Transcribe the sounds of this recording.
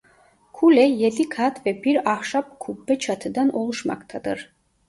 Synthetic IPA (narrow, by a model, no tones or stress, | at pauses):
kʰulɛjɛlikʰat̪ʰʼvɛbiɾaχʃap̚kʰubːɛt͡ʃʰat̪ʰd̪anʔɔlˠuʃma̰kt̪ʰad̪əɾ